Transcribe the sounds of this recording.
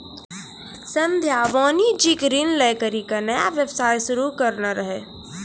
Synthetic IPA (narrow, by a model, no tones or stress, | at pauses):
sə̃nd̪ʱjaːʋoːnid͡ʒikɾiːnlɛːkəɾikanəja̰ʋjəbsaːjʃʊɾukəɾnaɾəɦe